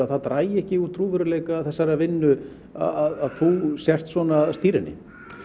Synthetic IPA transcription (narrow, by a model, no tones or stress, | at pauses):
aðθaðt̪ɾaːjɪɛhcɪut̪ʰɾuːvʏɾʏleːjkaːðθɛsːaɾavɪnːʏ | a̰aðaðθusjɛr̥t̪svɔːnast̪iːɾɪnːɪ̰